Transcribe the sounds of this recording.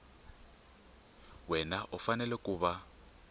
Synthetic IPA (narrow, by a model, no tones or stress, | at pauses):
wɛnaʔufanɛlɛkʼuːβa